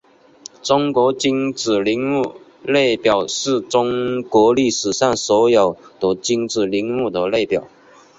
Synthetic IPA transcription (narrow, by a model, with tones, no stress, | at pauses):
ʈ͡ʂʊ˥ŋkwɔ˧˥t͡ɕi˥ŋt͡sɹɻ̩˨˩li˧˥ŋmu˥˩ | le˥˩ɪpjɑ˨˩ʊʂɻ̩˥˩ʈ͡ʂʊ˥ŋkwɔ˧˥li˥˩ʂɻ̩˨˩ʂa˥˩ŋswɔ˧˥jo˨˩ʊd̪ə˦t͡ɕi˥ŋt͡sɹɻ̩˨˩li˧˥ŋmu˥˩d̪ə˨˩le˥˩ɪpjɑ˨˩˦ʊ